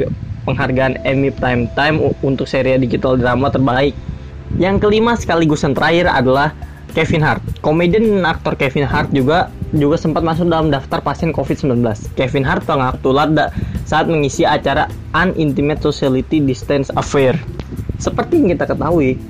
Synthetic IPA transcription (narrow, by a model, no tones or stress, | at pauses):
pəŋɦarɡaːnɛmip̚t̪ajmt̪ajmunt̪ʊk̚seɾiadid͡ʒit̪aldɾamat̪ərbaɪk̚ | jaŋkəlimasə̥kaliɡusant̪ɾʔaira̰dalah | kɛfinɦart̪̚komedənak̚t̪ɔrkɛfɪnɦart̪̚d͡ʒuɡad͡ʒuɡasəmpat̪̚mas̬ʊk̚dalamdaft̪arpasiɛnkofiɪt̪səmblanbəlaskɛfinɦart̪̚pəŋak̚t̪ulat̪̚daʔsaːt̪̚məŋisiat͡ʃaɾa | anint̪imɛt̪̚sosialit̪idist̪ɛnsafɛrsəpərt̪ijaŋkit̪akət̪aɦui